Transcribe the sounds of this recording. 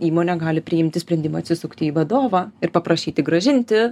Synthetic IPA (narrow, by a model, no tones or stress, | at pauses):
iːmoːnʲɛɡɑːlʲɪpʲɾʲɪɪmʲt̪ʲɪsʲpʲɾʲɛnd̪ʲɪmɐɐt̪ʲsʲɪsʊkt̪ʲɪiːʋɐd̪oːʋɑɪrpɐpɾɐʃʲiːt̪ʲɪɡɾɐʒʲɪnʲt̪ʲɪ